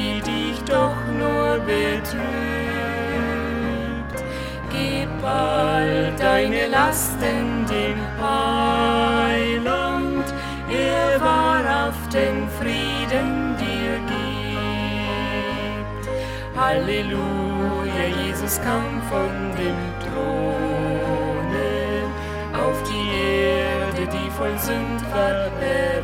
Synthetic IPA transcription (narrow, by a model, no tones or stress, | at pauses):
idɪçd̥ɔχnuːɐbətʁ | yː | pt | ɡ̥ipaldaɪnəlastɪndemfa | ɪlant | ʔevaːnafd̥eːmfʁiːdəndiːɐɡi | p̚t | halelujajeːzʊskʰaːmfɔn | deːmtʁ̥oː | nə | ʔaʊfd̥iːʔeːɐdədiːfɔlzʏntfɛɛ